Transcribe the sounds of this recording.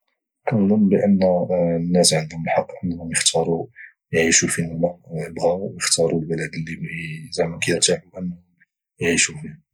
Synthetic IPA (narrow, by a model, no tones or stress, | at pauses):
kænd̪ˤəmːbəʔənːnːæsʕənd̪ʊməlħɑqːənhʊmjəxt̪ʰɑɾˤu | jʕiʃufinlːæjəbɣæjəxt̪ɑɾˤulbələd̪əlːizæmækæjəɾt̪iʕʊmʔənːʊ | jʕiʃufi